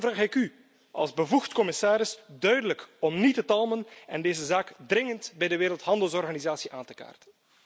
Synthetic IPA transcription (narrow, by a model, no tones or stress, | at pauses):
vraːxɪky | ʔɑ̰lˠzbəvuxtkɔmɪsaːɾɪsdœɥdələkɔmnitətɑlˠmənɛndeːzəzaːkdrɪŋəntbɛjdəʋeːɾəlˠtɦɑndəlˠsɔrɣaːnizaːsiʔaːntə̥ka̰ːrtə̥n